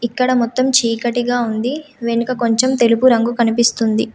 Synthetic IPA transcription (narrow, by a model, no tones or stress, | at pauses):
ikːɐɽɐmɔt̪ːɐmt͡ʃiːkɐʈiɡaːund̪iʋe̞nukɐko̞ɲt͡ʃe̞mt̪e̞lupuɾɐŋɡukɐnipist̪und̪i